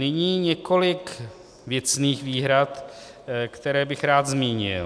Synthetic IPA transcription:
nɪɲiːɲɛko̞lɪk | vjɛt͡sniːxviːɦɾat̪ | kt̪ɛɾɛːbɪxɾaːd̪zmiːɲɪ̰l

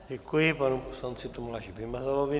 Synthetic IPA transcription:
ɟɛkujɪpanuposlant͡sɪt̪omulaʃivɪmazalovɪ

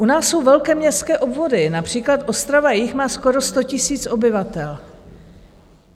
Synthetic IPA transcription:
ʔunaːsːo̞wvɛlkɛːmɲɛst̪kɛːʔo̞bvo̞dɪnapr̝̥iːklat̪ʔo̞st̪ɾavajɪxmaːsko̞ɾo̞st̪o̞cɪsiːt͡sʔo̞bɪvat̪ɛl

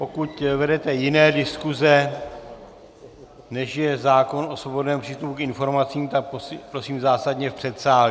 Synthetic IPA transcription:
po̞kut̪vɛdɛt̪ɛjɪnɛːdɪskuzɛ | nɛʃjɛzaːko̞nʔosvobo̞dnɛːmpr̝̥iːst̪upukʔɪnfo̞ɾmat͡siːmt̪ak̚ppɾo̞siːmzaːsadɲɛfpr̝̥ɛt̪saːl

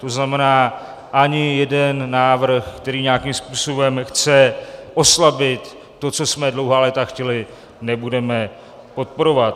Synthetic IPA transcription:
t̪oznamɛnaː | ʔaɲɪjɛdɛnːaːvr̩xkt̪ɛɾiːɲeakimspuːso̞bɛmxt͡sɛʔo̞slabɪt̪ː | o̞t͡so̞smɛdlo̞wɦaːlɛːt̪axcɛlɪ | nɛbudɛmɛ | po̞t̪̚po̞ɾo̞vat̪

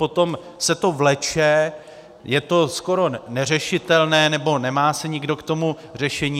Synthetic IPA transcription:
po̞t̪o̞m | sɛt̪o̞vlɛt͡ʃɛ | jɛt̪o̞sko̞ɾo̞nɛr̝ɛʃɪt̪ɛlnɛːnɛbo̞nɛmaːsɛɲɪɡdo̞kt̪o̞mu | r̝ɛʃɛɲiː

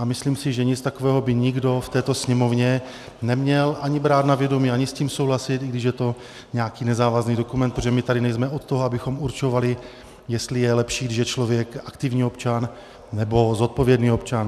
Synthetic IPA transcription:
amɪsliːmsɪʒɛɲɪt͡st̪ako̞vɛːɦo̞bɪɲɪɡdo̞ft̪ɛːt̪o̞sɲɛmo̞vɲɛ | nɛmɲɛlʔaɲɪbɾaːt̪navjɛdo̞miːaɲɪsciːmsowɦlasɪt̪ʔɪɡdɪʃjɛt̪o̞ | ɲɛakiːnɛzaːvazniːdokumɛnt̪pɾot̪oʒɛmɪt̪adɪnɛjzmɛot̪t̪oɦoabɪxomuɾt͡ʃo̞valɪ | jɛst̪lɪjɛlɛpʃiːɡdɪʃjɛt͡ʃlo̞vjɛkakt̪ɪvɲiːopt͡ʃanː | ɛbo̞zot̪̚po̞vjɛdniːo̞pt͡ʃan

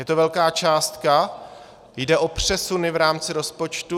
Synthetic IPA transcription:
jɛt̪ovɛlkaːt͡ʃaːst̪ka | jdɛʔo̞pr̝̥ɛsunɪvɾaːmt͡sɪɾo̞spo̞t͡ʃt̪u

